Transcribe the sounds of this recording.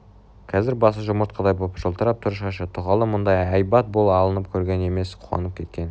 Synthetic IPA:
qʰɑzɪɾbɑsəʒʊməɾt̪̚qʰɑd̪ɑjbopʒəlˠt̪əɾɑp̚t̪ʰʊɾəʃɑʃɑt̪ʰʊʁɑlˠəmʊnd̪ɑjɑjbɑt̪̚bolˠɑlˠənəp̚kʲʰɵɾɡʲe̞ne̞me̞sqʰuwɑ̰nəp̚kʲʰe̞t̪̚kʲe̞n

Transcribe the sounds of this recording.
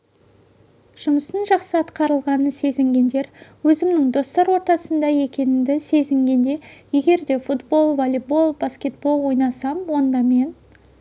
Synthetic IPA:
ʒ̥ʊməst̪ənʒɑqsəɑt̪qɑɾəlˠʁɑnəse̞zɪŋɡʲe̞nd̪e̞ɾwɵzɪmnɪŋd̪o̞st̪ɑɾwo̞ɾt̪ɑsənd̪ɑje̞kʲe̞nɪnd̪ɪse̞zɪŋɡʲe̞nd̪e̞je̞ɡʲe̞ɾd̪e̞fut̪bo̞lˠvolʲebo̞lˠbaskʲe̞t̪̚bo̞lˠwo̞jnɑsɑmwo̞nd̪ɑme̞n

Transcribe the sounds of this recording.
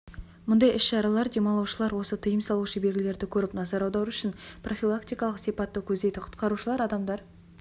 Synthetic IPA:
mʊnd̪ɑjɪsʃɑɾɑlˠɑɾd̪e̞mɑlˠɑwʃəlˠɑɾwo̞sət̪ʰəjəmsɑlˠuwʃəbe̞lɡʲɪle̞ɾd̪ɪkʲʰɵɾɪpnɑzɑɾɑwd̪ɑwʏʃɪnprʔo̞fʲilˠakt̪ijkɑlˠəqsipɑt̪ːəkʲʰɵzd̪e̞jt̪ɪqʰʊ̥t̪qɑɾuʃəlˠɑɾɑd̪ɑmd̪ɑɾ

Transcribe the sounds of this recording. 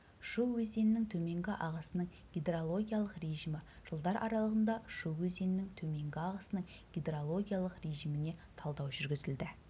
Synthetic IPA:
ʃuwwɵzd̪e̞nɪnɪŋt̪ʰɵme̞ŋɡʲɪʔɑʁɑsənəɴ | ɡʲid̪eɾolˠo̞ɡʲijalˠəqre̞ʒimɪ | ʒ̥əlˠd̪ɑɾʔɑ̰ɾɑlˠəʁənd̪ɑʃuwwɵze̞nɪnɪŋt̪ʰɵme̞ŋɡʲɪɑʁɑsənəɴ | ɡʲid̪eɾolˠo̞ɡʲijalˠəqre̞ʒimɪne̞t̪ʰɑlˠd̪ɑwʒʏɾɡʲɪzɪld̪ɪ

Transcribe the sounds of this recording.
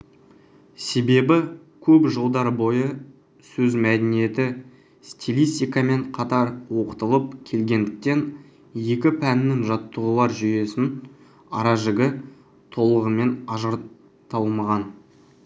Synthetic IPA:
se̞be̞bɪ | kʲʰɵpʒəlˠd̪ɑɾbo̞jə | sɵzmæd̪enije̞t̪ɪ | st̪ʰʲilʲist̪ijkɑme̞ɴqʰɑt̪ɑɾwo̞qə̥t̪əlˠəp̚kʲʰe̞lɡʲe̞nd̪ɪk̚t̪e̞n | je̞kʲɪpʰænɪːɪŋʒɑt̪ːəʁəlˠɑɾʒʏje̞sɪn | ɑ̰ɾɑʒɪɡʲɪ | t̪ʰo̞lˠəʁəme̞nɑʒəɾ | t̪ɑlˠmɑʁɑn

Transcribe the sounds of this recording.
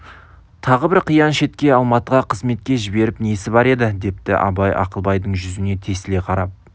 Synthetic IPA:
t̪ʰɑʁəbɪɾqʰijɑnʃe̞t̪kʲe̞ɑlˠmɑt̪əʁɑqʰəzme̞t̪̚kʲe̞ʒɪbe̞ɾɪpnesɪbɑɾe̞d̪ɪd̪e̞p̚t̪ɪ̰ʔɑ̰bɑjɑ̰qəlˠbɑjd̪əɴʒʏzɪne̞t̪ʰe̞sɪle̞qʰɑɾɑp̚

